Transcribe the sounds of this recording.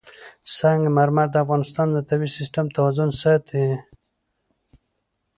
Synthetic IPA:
saŋɡmaɾmaɾd̪əafɣɑnɪst̪ɑnd̪ət̪abisɪsʈamt̪awazʊnsət̪ʰi

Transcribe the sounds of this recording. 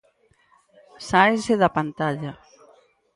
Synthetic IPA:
sajseðapant̪aʎa

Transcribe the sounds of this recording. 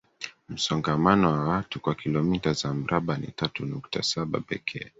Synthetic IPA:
m̩sɔŋɡamanɔwawatukwakilɔmitazam̩ɾaɓanḭtatunuktasaɓa̰pɛ̰kʰɛ̰

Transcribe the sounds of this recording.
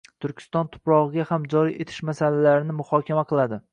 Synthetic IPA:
t̪ʰʊɾkʲʰɪ̥st̪ɒnt̪ʰʊ̥pɾɒʁɨɡʲahamd͡ʒɒɾiʔe̞t̪ʰɪ̥ʃmasalalaɾɪnɪmʊhɒkʲʰamaqʰɨlˠad̪ɪ

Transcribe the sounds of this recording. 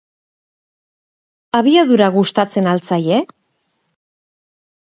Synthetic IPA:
aβiaðuɾaɣust̪at͡se̞nalt͡saje

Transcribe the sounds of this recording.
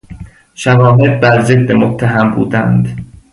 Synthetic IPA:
ʃævɒːɦed̪̚bæɾzed̪ːemot̪ʰːæɦæmbṵːd̪æ̰nd̪

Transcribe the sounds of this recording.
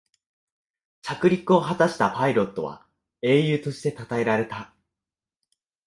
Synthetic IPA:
t͡ɕakɯ̟ɾʲikɯ̟o̞ɦat̪aɕi̥t̪apaiɾo̞t̪ːo̞βa̰ | e̞ːjɯ̟ːt̪o̞ɕi̥t̪e̞t̪at̪ae̞ɾaɾe̞t̪a

